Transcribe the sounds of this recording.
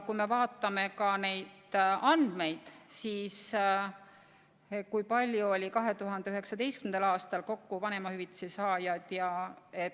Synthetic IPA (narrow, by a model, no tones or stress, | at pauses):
kujme̞vɑːt̪ːˑɑme̞kɑne̞jd̪̥ɑnd̪̥me̞jd̪̥siːs | kujpɑlʲjuo̞lʲikɑɦe̞t̪uɦɑnd̪̥eyhɦe̞ksɑd̪e̞jskymnd̪ɑlɑːst̪ɑlko̞kːuvɑne̞mɑhyvit̪ːˑsisɑːjɑd̪̥jɑe̞t̪